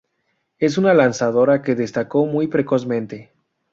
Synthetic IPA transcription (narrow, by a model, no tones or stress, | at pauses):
e̞s̬unalansaðo̞ɾake̞ðe̞st̪ako̞mujpɾe̞ko̞smẽ̞nt̪e̞